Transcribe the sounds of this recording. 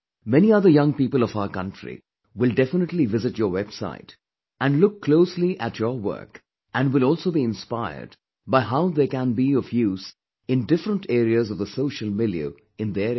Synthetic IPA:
mɛniʌðəjʌ̃ŋpiːpəlˠɔfaʊəkʌ̃ntɹḭ | wɪlˠdɛfənəʈlivɪzɨʈjəːwɛb̥sa̰ɪt | æ̃nlʊkːloʊsliʔætʰjɔwɜ̰˞k | ʔæ̃nɖwɪlɔːlˠsoʊbiɪ̃nspaɪə̰d | baɪɦaʊðekæ̃nbiɔfjuːz̥ | ɪ̃ndɪfɾə̃nʈʰeːɾiəzɔvðəsoʊʃəlˠmiliə̰ | ɪ̃nd̪e

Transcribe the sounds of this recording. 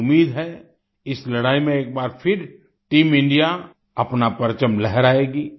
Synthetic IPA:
ʊmːiːd̪ɦɛ | ɪslɐɽaːimẽeːk̚baːɾpʰɪɾ | ʈiːmɪ̃ɳɖija | ɐpnapɐɾt͡ʃəmlɛɦɛɾaːeːɡiː

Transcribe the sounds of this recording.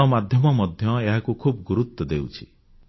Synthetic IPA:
ɔmad̪ʱjɔmɔmɔd̪ʱjɔeɦakukʰub̚ɡuɾut̪ːɔd̪ewt͡ʃʰi̥

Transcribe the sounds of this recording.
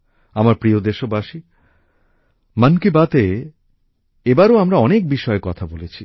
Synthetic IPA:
amaɾpɾiod̪eʃobaʃi | mankibat̪e | ebaɾoamɾaɔnek̚biʃɔekɔt̪ʰabolet͡ɕʰi

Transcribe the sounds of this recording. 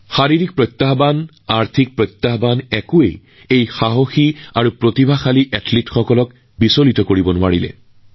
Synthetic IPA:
xaɹiɹik̚pɹɔjt̪ːaɦban | aɹt̪ʰik̚pɹɔjt̪ːaɦbanɛkʊḛj | ejxaɦoxiaɹupɹotibʱaxaliʔɛtlitxɔkɔlɔk | bisolitɔkoɹibɔnʊaɹilɛ̰

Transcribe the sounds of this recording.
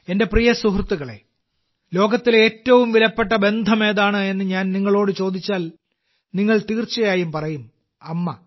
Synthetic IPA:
e̞nde̞prijɐsuɦrt̪ːuɣɐɭe̞̰ | lo̞ːɡɐt̪ːile̞ːtːɐʋumʋilɐpːe̞ʈ̬ːɐbe̞nd̪ʱɐme̞ːðaːɳɨe̞nːɨɲaːnniŋːɐɭo̞ːɽɨt͡ɕo̞ːd̪ʱit͡ɕːaːl | niŋːɐɭt̪iːrt͡ɕːɐjaːjumpɐrɐjum | ɐmːɐ

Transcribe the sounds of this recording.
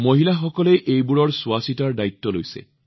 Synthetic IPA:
moɦilaxɔkɔlɛʔejbuɹɔɹsuasitaɹdait̪ːɔlojsɛ̰

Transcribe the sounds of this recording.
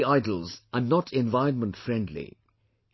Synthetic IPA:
aɪdəl̩ˠzənɔtʰɛ̃nvaɪə̃nmə̃ntfɹɛ̃ndlḭ

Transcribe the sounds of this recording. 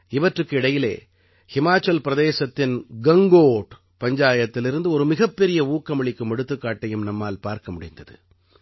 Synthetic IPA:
ɪʋɐʈrɯkːɯɪɽɐjɪlḛː | hɪmaːt͡ʃːɐlpɪɾɐðeːsɐt̪ːɪnɡɐŋɡoːʈ | pɐɲd͡ʒaːjɐt̪ːɪlɪɾɯnd̪ɯɔɾɯmɪɣɐpːɛɾɪjɐuːkːɐmɐɭɪkːɯmɛɽɯt̪ːɯkːaːʈːɐjɯmnɐmːaːlpaːɾkɐmʊɽɪ̰nd̪ɐðɯ̰

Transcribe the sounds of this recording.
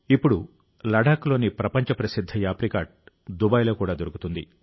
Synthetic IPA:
ipːuɽu | lɐɖaːklo̞ːnipɾɐpɐɲt͡ʃɐpɾɐsid̪ʱːɐjaːpɾikaːʈ̚ | d̪ubɐjlo̞ːkuːɽaːd̪oɾukut̪und̪ḭ

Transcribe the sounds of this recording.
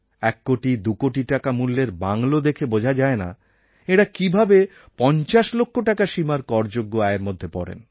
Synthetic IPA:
ɛkːoʈid̪ukoʈiʈakamulːeɾbaŋlod̪ekʰebod͡ʑʱad͡ʑaena̰ | eɽakibʱabe | pɔnt͡ɕaʃlokʰːoʈakaʃimaɾkɔɾd͡ʑoɡːoaeeɾmod̪ʱːepɔɽḛn

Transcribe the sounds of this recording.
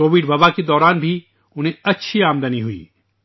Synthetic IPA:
oːʋɪɖʋɐbaked̪ɔːɾaːnbʱi | ʊnɦẽɐtːʃʰiaːmd̪əniɦuḭː

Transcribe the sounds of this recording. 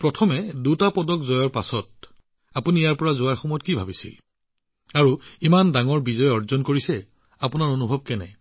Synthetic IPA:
pɹɔtʰɔmɛdutapɔdɔkzɔjɔɹpasɔt̚ | apunijaɹpɔɹazʊaɹxɔmɔjɔt̚kibʱabisḭl | aɹuimandaŋɔɹbizɔjɔɹzɔnkoɹisɛ | apʊnaɹonubʱɔb̚kɛnɛ̰

